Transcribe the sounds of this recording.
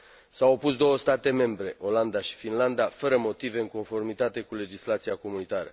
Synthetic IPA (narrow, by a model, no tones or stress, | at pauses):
sawopusd̪o̞wəst̪at̪e̞me̞mbɾe̞ʔo̞land̪aʃi̥finland̪afəɾəmo̞t̪ive̞ɨŋko̞nfo̞rmit̪at̪e̞kule̞d͡ʒislat̪siako̞munit̪aɾə̰